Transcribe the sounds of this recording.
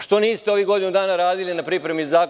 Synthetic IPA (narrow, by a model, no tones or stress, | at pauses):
ʃt̪o̞niːst̪eo̞ʋiɡo̞d̪inud̪aːnaɾaːd̪ilinapɾipɾe̞mizaːk